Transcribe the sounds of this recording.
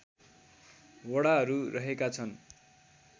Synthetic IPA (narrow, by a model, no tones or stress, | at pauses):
wʌɽaɦʌɾurʔʌɦekat͡sʰʌn